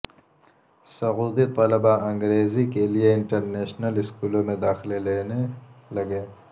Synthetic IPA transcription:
sɐɣuːd̪it̪ɐlɐbaɐ̃ŋɡɾeːzikelieɪɳʈəɾneːʃnəlɪskuːlõmẽd̪aːxɪleleːnelɐɡeː

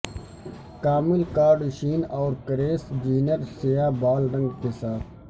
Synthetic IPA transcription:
kaːmɪlkaːɖʃiːnɔːɾkɐɾeːsd͡ʒiːnəɾsejaːbaːlɾɐ̃ŋɡkesaːt̪ʰ

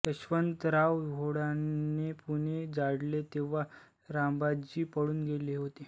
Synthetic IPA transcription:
t̪əɕʋənt̪ɾaʋɡʱoɽanːepuned͡zaɽlet̪eʋ̤a | ɾambad͡ʑiːpəɽuːnɡeleɦot̪e

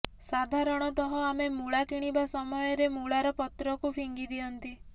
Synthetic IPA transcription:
sad̪ʱaɾɔɽ̃ɔt̪ɔɦɔamemuɭakiɽ̃ibasɔmɔjɔɾemuɭaɾɔpɔt̪ɾɔkupʰiŋɡid̪iɔnt̪i

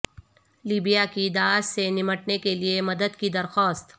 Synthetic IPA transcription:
liːbijakid̪aːʃsenɪməʈnekeliemɐd̪əd̪kid̪ɐɾxɔːst̪

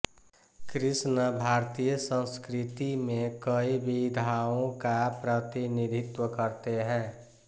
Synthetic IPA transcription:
kɾɪsnəbʱaːɾt̪ijəsə̃nskɾɪt̪imẽkəibid̪ʱaõkapɾət̪inid̪ʱɪt̪wəkəɾt̪eɦɛ̃ː

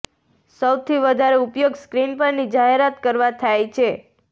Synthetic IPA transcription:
səwt̪ʰiʋəd̪ʱaɾeupjoɡskɾinpəɾnid͡ʒaɦeɾat̪kəɾʋat̪ʰajt͡ʃʰe

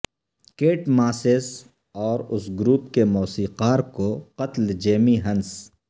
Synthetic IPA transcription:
keːʈmaːseːs | ɔːɾʊsɡɾuːpkemɔːsiːqaːɾkoqɐt̪ld͡ʒeːmiɦɐ̃ns

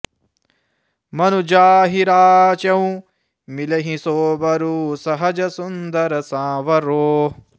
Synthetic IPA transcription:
mɐnud͡ʒaːɦiɾaːt͡ʃɐũ | milɐɦĩsoːbɐɾuːsɐɦɐd͡ʒɐsund̪ɐɾɐsãːʋɐɾoː

